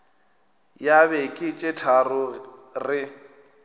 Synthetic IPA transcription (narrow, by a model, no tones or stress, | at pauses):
jaβekʼɪt͡ʃʼetʰarʊrɪ